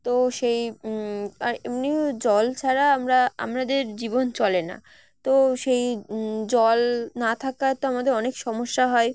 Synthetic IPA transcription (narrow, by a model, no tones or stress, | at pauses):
t̪oʃej | aɾemnid͡ʑɔlt͡ɕʰaɾaamɾaa̰mnad̪eɾd͡ʑibont͡ɕɔlena̰ | t̪oʃejd͡ʑɔlnat̪ʰakat̪oamad̪eɾɔnekʃɔmoʃːaɦɔe